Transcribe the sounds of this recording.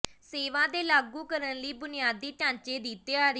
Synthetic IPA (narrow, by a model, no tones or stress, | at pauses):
seːʋãːd̪eːlaːɡuːkəɾənləiːbʊnɪjaːd̪ːiːt͡ʃãːɲt͡ʃeːd̪iːt̪ːeːaːɾ